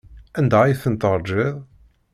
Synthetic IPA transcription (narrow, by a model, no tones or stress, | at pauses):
ænd̪æjθənt̪əɾˤd͡ʒɪðˤ